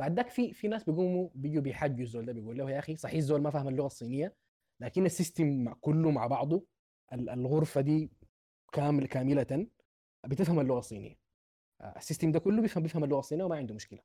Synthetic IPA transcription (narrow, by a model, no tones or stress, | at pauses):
b̥aʕd̪ːaːkfifinaːsbɪɡumːubid͡ʒubɪjħad͡ʒːuzːoːld̪aːbijɡuːlːahjaʔaxisˤɑħizːoːlmafaːhɪmalːʊɣasˤːiːnɪjːa | laːkinːasːist̪imːaʕkʊlːuma̰ʕbɑʕd̪ˤu | ʔalalɣʊɾfad̪iː | kaːkaːmɪlat̪an | bɪt̪ɪfhamalːʊɣasˤːḭːnɪ̰jːa | asːist̪imd̪aːkʊlːubjɪfhambjɪfhamalːʊɣɑsˤːiːnijawɪmaʕɪnd̪umʊʃkɪla